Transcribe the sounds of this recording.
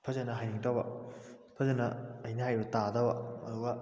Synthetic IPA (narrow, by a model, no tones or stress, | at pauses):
pʰɐzɐnɐɦajniŋtawbɐ | pʰɐzɐnɐːjnɐɦajbɐtadɐwɐɐ̰duɡɐ